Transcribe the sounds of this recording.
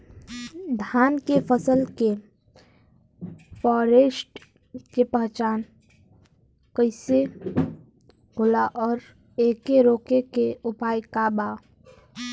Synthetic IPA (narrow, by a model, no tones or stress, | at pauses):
d̪ʱaːnkepʰəsəlke | fɔːɾesʈ | kepəɦt͡ʃaːn | kəɪse | ɡʱʊlaʔɔːɾ | eːkeɾoːkekeʊpaːjkaːba